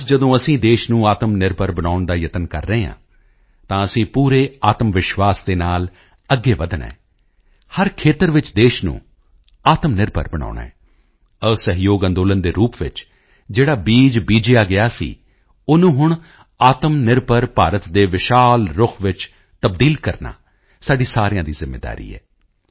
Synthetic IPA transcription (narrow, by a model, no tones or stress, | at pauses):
d͡ʒəd̪õːəsĩːd̪eːʃnũːaːt̪əmnɪɾpəɾbəɽaːʊɳd̪aːjət̪ənkə̰ɾːəɦeɦã̰ː | t̪ãːəsĩːpuːɾeːaːt̪əmʋɪʃwaːsd̪eːnaːl | əɡːeːʋəd̪ənɛ̰̃ː | həɾkʰeːt̪əɾʋɪt͡ʃd̪eːʃnṵ̃ː | aːt̪əmnɪɾbə̰ɾbəɳ̃a̰ːʊɳɛ̰̃ː | əsəɦjoːɡə̃nd̪oːlənd̪eːɾuːpʋɪt͡ʃ | d͡ʒeːɽaːbiːd͡ʒbiːd͡ʒɪjaːɡɪjaːsḭː | ʊnũːɦʊɳ | aːt̪əmnɪɾbəɾpaːɾət̪d̪eːʋɪʃaːlɾʊkʰʋɪt͡ʃ | t̪əbd̪iːlkəɾna̰ː | saːɖiːsaːɾjãːd̪iːzɪmːḛːd̪a̰ːɾḭːɛ̰ː